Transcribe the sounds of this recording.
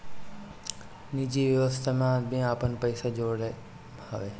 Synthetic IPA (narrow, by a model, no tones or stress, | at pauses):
nid͡ʒiʋjəʋəst̪ʰemãbʱĩaːpənpəɪsad͡ʒoːɽe | həʋe